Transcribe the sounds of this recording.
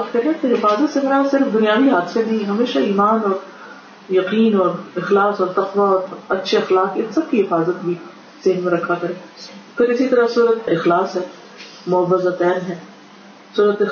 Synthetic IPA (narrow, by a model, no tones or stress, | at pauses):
pkʰɛɦẽt̪oɦɪfaːzət̪semɪɾasɪɾfd̪ʊnijaːʋiɦaːd̪senɐɦĩɦɐmeːʃaiːmaːnɔːɾ | jɐqiːnɔːɾɪxlaːsɔːɾt̪ɐqʋaɔːɾɐtːʃʰeɪxlaːqɪnsɐb̚kiɦɪfaːzət̪bʱi | z̥ɪɦnmeɾɐkʰːakɐɾẽːpʰɪɾɪsit̪ɐɾəsuːɾət̪ɪxlaːsɦɛː | mʊəʋːəzat̪ɛːnɦɛː | suːɾət̪ɪ